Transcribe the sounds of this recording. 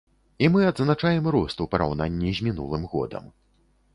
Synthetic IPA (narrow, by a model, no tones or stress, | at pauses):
imɨɐd̪znat͡ʂajɛmɾɔst̪upɐɾa̰wn̪anʲːizʲmʲinṵlˠɨmɣɔ̰d̪ɐ̰m